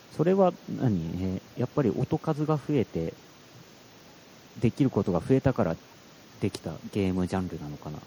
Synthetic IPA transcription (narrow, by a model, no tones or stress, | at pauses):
so̞ɾe̞βana̰ɲ̟iejapːaɾʲiʔo̞t̪o̞kazɨɡaɸɯ̟e̞t̪e̞ | d̪e̞kʲiɾɯ̟ko̞t̪o̞ɡaɸɯ̟e̞t̪akaɾa̰ | d̪e̞kʲi̥t̪a̰ɡe̞ːmɯ̟ʑãnɾɯ̟nano̞kana̰